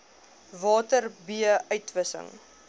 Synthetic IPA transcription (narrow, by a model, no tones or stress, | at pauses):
vɑːtərbiəʔœɥtvəsə̰ŋ